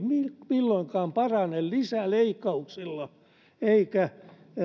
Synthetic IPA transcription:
mimilːoiŋkɑːmpɑrɑnellisæleikːɑuksilːɑ | eikæ

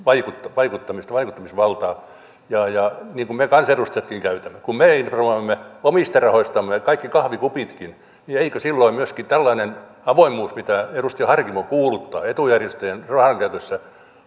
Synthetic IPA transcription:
ʋɑikut̪ːɑʋɑikut̪ːɑmist̪ɑʋɑikut̪ːɑmisʋɑlt̪ɑː | jɑjɑniːŋkummekɑnserust̪ɑjɑt̪kiŋkæyt̪æmːekummeˑinformoimːeomist̪ɑrɑhoist̪ɑmːekɑikːikɑhʋikupit̪kin | nieikøsilːoimyøskit̪ælːɑinen | ɑʋoimːuːsmit̪æerust̪ijɑhɑrkimokuːlut̪ːɑ̰ːet̪ujærjest̪øjænrɑhɑŋkæyt̪øsːæ

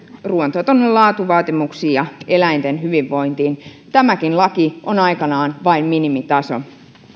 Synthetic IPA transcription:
ruont̪ot̪onːellɑːt̪uʋɑːt̪imuksiːjɑelæint̪enhyʋiʋːo̞int̪iːn | t̪æmækinlɑkiʔonɑikɑnɑːnʋɑimminimit̪ɑso̰

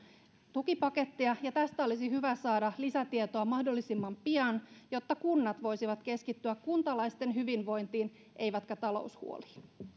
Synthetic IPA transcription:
t̪ukipɑke̞t̪ːiɑjɑt̪æst̪æo̞lisiɦyʋæsɑːdɑlisæt̪iet̪oɑmɑhdo̞lːisimːɑmpiɑnjot̪ːɑkunːɑt̪ʋo̞jsiʋɑt̪ke̞skit̪ːyækkunt̪ɑlɑjst̪e̞nɦyʋinʋo̞jnt̪iːn | ʔe̞jʋæt̪kæt̪ɑlo̰uwshṵoli̥ː

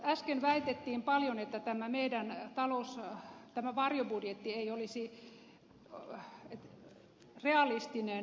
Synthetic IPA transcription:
æskenʋæit̪et̪ːiːmpɑljonet̪ːæt̪æmæmeidænt̪ɑloust̪æmæʋɑrjobudjet̪ːieiolisi | et̪ | reɑlist̪ine

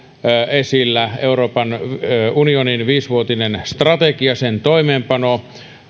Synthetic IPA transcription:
esilːæeuroːpɑnʋunioninʋiːsʋuot̪inenst̪rɑt̪ekiɑsent̪oimeːmpɑno

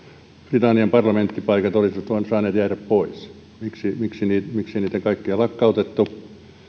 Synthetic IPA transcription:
prit̪ɑnːiɑmpɑrlɑment̪ːipɑikɑt̪olisiʋɑt̪uɑnsɑːneːt̪jæːræppois | miksimiksiniːt̪miksiniːt̪ækɑikːiɑlɑkːɑut̪et̪ːu

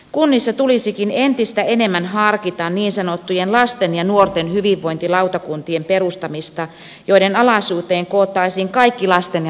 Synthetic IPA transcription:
kunːisːɑt̪ulisikinent̪ist̪æenemːænɦɑrkit̪ɑnniːnsɑnot̪ːujenlɑst̪enjɑnuort̪enhyʋiʋːoint̪ilɑut̪ɑkunt̪iemperust̪ɑmist̪ɑ | joidenɑlɑsuːt̪eːŋkoːt̪ːɑisiːŋkɑikːilɑst̪en

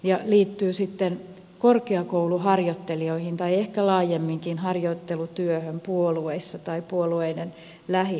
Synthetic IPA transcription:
jɑliːt̪ːyːsit̪ːen | korkeɑkouluhɑrjot̪ːelioihint̪ɑiehkælɑːjemːiŋkinhɑrjot̪ːelut̪yøhømpuolueisːɑt̪ɑipuolueiden | læhi

